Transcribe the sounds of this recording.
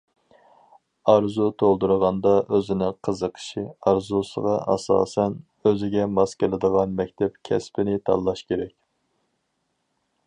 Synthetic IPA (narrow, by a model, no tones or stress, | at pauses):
ɑɾzut̪ʰolˠd̪uɾəʁɑnd̪ɑʔøzɪnɪŋqʰəzəqʰə̥ʃiɑɾzusə̰ʁɑʔɑ̰sɑ̰ːsɛn | øzɪɡʲɛmɑskʲɪlˠɪd̪əʁɑnmɛk̚ʲt̪ʰɛpkʲʰɛspɪnɪt̪ʰɑ̰lːˠɑʃkʲeɾɛkʲ